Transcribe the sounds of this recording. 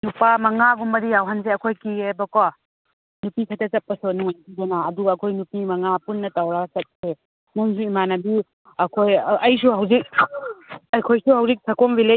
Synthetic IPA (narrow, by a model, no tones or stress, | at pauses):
nupamɐŋaɡumbɐɾijawɦanzeɐkʰojkiebakwa | nupikʰatɐt͡ʃɐpːɐsɔnɔŋakizanaːduɐkʰojnupimɐŋapunːɐtawɾasɐt̚se | nuŋsuimanɐbi | ɐkʰojɐjs̬uɦawzik̚ | ɐjkʰojsuhawzik̚sʰakɔmbile